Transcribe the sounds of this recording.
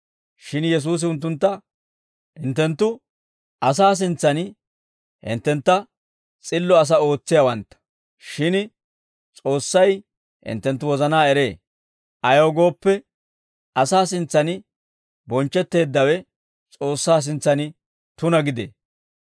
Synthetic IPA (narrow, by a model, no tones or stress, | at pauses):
ʃɪnjɛs̬uːs̬ɪʊnt̪̬ːʊnt̪ːɐ | hɪnt̪ːɛnt̪ːʊ | ʔɐs̬aːs̬ɪnt͡sːɐn | hɪ̰nt̪ːɛnt̪ːɐ | t͡sʼɪlːɔɐs̬ɐo̞ːt͡sːɪjɐwɐnt̪ːɐ̥ | ʃɪn | t͡sʼo̞ːsːɐj | hɪ̰nt̪ːɛnt̪ːʊwɔzɐnaːɛɾe̞ː | ʔɐjoːɡo̞ːpːɛ | ɐsaːs̬ɪnt͡sːɐnɪ | bɔnt͡ʃːɛt̪ːe̞ːd̪ːɐwɛ | t͡sʼo̞ːsːaːs̬ɪnt͡sːɐnɪ | t̪ʊnɐɡɪd̪ḛː